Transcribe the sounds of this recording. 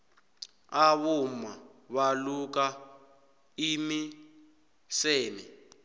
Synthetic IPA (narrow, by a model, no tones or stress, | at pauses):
aβumaβaluk̬a | imi | sɛːmɛ